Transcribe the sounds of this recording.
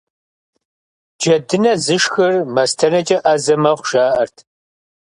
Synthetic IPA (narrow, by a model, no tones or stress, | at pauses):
d͡ʒɐdɨnɐzɨʂxɨrmɐstʰɐnɐt͡ʃʼɐʔɐzɐmɐχʷʊʃaːʔɐrtʰ